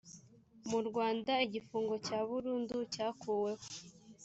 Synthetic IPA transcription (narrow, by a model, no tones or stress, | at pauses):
muɾɡwaːndaiɟifuːŋɡo̞caːβuɾuːnducaːkuːwe̞ho̥